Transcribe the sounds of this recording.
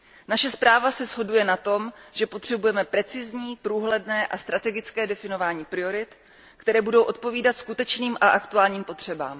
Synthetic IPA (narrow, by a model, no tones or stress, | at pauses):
naʃɛspɾaːvasɛzɦo̞dujɛnat̪o̞mʒ̥ɛpo̞t̪r̝̥ɛbujɛmɛpɾɛt͡sɪzɲiːpɾuːɦlɛdnɛːʔast̪ɾat̪ɛɡɪt͡skɛːdɛfɪno̞vaːɲiːpɾɪo̞ɾɪt̪ | kt̪ɛɾɛːbudo̞wʔo̞t̪̚po̞viːdat̪skut̪ɛt͡ʃniːmʔaʔakt̪uaːlɲiːmpo̞t̪r̝̥ɛba̰ːm